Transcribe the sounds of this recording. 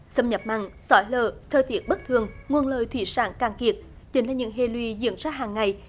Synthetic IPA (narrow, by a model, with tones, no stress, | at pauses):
sə˧mɲə˨˩p̚ma̰˧˨ŋsɔ˧˦jləː˧˨˩t̪ʰəː˧jt̪i˨˥ət̚ɓə˦˥t̚t̪ʰɨ˨˩əŋŋwu˧ənləː˧˨˩jt̪ʰwi˧˩saː˧˦nkaː˨˧˩ŋki˨˩ət̚ | t͡ɕï˨˦ŋ̟laː˨˩ɲɨ̰˧˥ŋɦe˧˩lwi˧˨zḭ˧˥ənzaː˧ɦaː˨˩ŋːa˨˩j